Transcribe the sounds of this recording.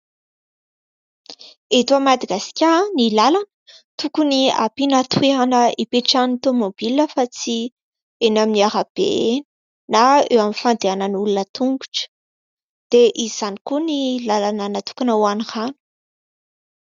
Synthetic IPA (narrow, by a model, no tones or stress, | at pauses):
et̪uamad̪aɡasi̥kʲanilalanə̥ | t̪ukunia̰pinat̪weɦanəʔipeʈ͡ʂanut̪omob̥ilnəfat͡si | enaminiaɾab̥ḛn | naḛwamifand̪eanənulunət̪uŋɡu̥ʈ͡ʂə̥ | d̪̥eʔiz̥anikunilalanənət̪u̥kanawanihanu̥